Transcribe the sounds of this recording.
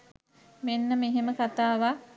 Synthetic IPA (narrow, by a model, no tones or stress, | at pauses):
menːəmeɦeməkat̪aːʋa